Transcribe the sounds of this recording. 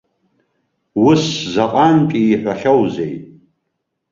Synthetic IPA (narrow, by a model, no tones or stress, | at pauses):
wʊszaqʼantʼiːħʷᶣaχʲawzejtʼ